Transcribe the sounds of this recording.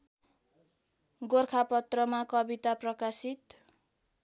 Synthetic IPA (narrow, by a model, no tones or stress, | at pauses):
ɡorkʰapʌt̪rʌmakʌbit̪aprʌkasit̪